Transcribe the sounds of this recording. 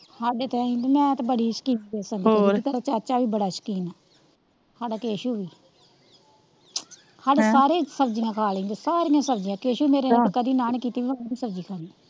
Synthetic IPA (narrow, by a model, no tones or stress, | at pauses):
haɖet̪eĩːd̪mɛ̃ːt̪abəɽiːʃə̥kiːneːsəndit̪əɾaːt͡ʃaːt͡ʃaːʋiːbəɽaːʃə̥kiːnaː | haːɖaːkeːʃuːʋiː | haɖsaːɾeːsəbd͡ʒijãːkʰaːleĩːd̪oːsaːɾĩːãːsəbd͡ʒijãːkeːʃũːmeːɾeːakəd̪iːnaːñkiːt̪iːʋiːəñːbiːsəbd͡ʒiːkʰaːnd̪iː